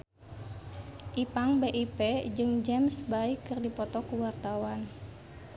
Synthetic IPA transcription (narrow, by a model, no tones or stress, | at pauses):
ʔipaŋbeʔiped͡ʒɨŋd͡ʒɛmsbaikːɨrdipɔt̪ɔkuwart̪awan